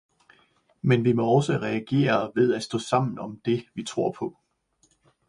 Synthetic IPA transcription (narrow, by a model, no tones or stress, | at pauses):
menʋimɒ̽ɒ̽ʊsəʁɛæɡ̥e̝̰ːɐʋe̝ð̞ˠæ̥sd̥ɔ̰̽ːsɑ̈m̰n̩ɒ̽md̥e̝ʋit͡sʰʁo̝ɐ̰pʰɒ̽